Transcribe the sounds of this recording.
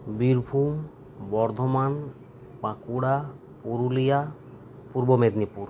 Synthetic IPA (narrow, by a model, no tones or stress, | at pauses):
biɾbʱum | bɔɾd̪ʱɔman | bakuɽa | puɾulija | puɾbɔmed̪nipuɾ